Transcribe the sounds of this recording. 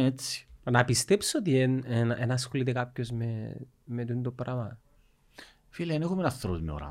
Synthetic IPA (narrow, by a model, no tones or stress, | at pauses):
et͡si̥nɐpist̪epsot̪ienenɐʔenɐːsxolit̪ekapçozme | met̪und̪opɾʔɐmɐ | fileɐnexumenɐfθɾot̪ino̰ɾɐ̰